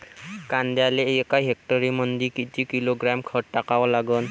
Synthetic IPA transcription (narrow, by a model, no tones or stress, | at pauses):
kand̪ɛjalɛejɔkajɦɛk̚tɔɹimɔnd̪ikitʰikiloɡɹamkʰɔʈʈakabɔlaɡɔn